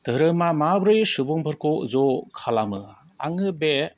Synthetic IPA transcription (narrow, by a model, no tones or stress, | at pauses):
t̪ɯɾɯmamabɾɯjsɯbuŋbʱɯɾkozɔkʰalamɯ | a̰ŋɯbe